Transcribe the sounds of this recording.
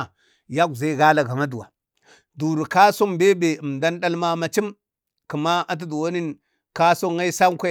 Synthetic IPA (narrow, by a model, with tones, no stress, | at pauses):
ja˦ɡza˦ɡa˦la˨ɡa˨ma˦du˨wa˨ | du˨ɾu˨ka˦so˦mbe˦be˨ə˨mda˦nɗa˦lma˦ma˨t͡ʃi˦m | ki˨ma˦a˦t̬i˦du˨wa˦ni˦n | ka˦so˦ŋːa˦i˦sa˦ŋkʷe˦